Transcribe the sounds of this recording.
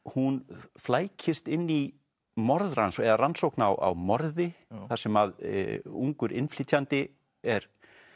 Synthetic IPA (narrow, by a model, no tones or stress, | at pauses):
hunflaːjcʰɪst̪ɪnːi | mɔɾðransɛðaransowknawʔa̰wmɔɾðɪθasɛmað̰uŋkʏɾʔɪ̰nfliːt̪ʰjant̪ɪ | ɛɾ̥